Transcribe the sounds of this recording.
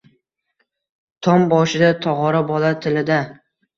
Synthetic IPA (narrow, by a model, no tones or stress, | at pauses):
t̪ʰɒmbɒʃɪd̪at̪ʰɒʁɒɾabɒlat̪ʰɪlɪd̪a